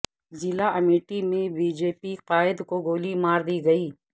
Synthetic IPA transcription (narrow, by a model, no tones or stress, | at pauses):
zɪlaʔɐmiːʈimẽbiːd͡ʒeːpiqaːɪd̪koɡoːlimaːɾd̪iːɡɐiː